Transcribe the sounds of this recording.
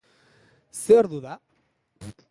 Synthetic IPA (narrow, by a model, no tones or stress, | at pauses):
seoɾðuða